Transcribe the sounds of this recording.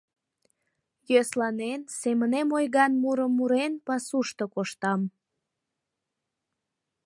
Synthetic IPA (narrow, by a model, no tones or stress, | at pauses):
jøslɑnensemənemojɣɑnmuɾəmːuɾenpɑsuʃt̪okoʃt̪ɑm